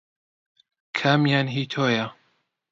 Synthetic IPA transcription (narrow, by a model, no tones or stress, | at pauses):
kʰamjaːnɦiːt̪ʰoːjɐ